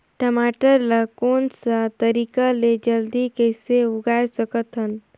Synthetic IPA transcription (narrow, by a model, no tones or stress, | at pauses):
ʈəmaːʈəɾləkoːnsət̪əɾikaled͡ʒəld̪ikəɪseʊɡajsəkət̪ɦən